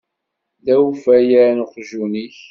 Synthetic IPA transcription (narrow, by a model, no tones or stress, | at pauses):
ðæfæjænχʒuniç